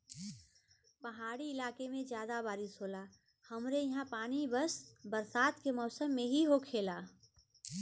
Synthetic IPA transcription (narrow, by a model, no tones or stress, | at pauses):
pəɦaːɽiɪlaːkemẽd͡ʒjaːd̪abaːɾɪsɦola | həmɾejɐɦãpaːnibəsbəɾsaːt̪kemɔːsəmːẽɦiɦokʰeːla